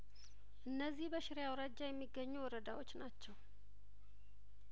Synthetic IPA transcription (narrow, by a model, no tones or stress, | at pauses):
ʔɨnːəzːihbəʃɪɾjawɾad͡ʒːajɛmːiɡːəɲːuwɔɾəd̪awo̞t͡ʃːnat͡ʃːɛw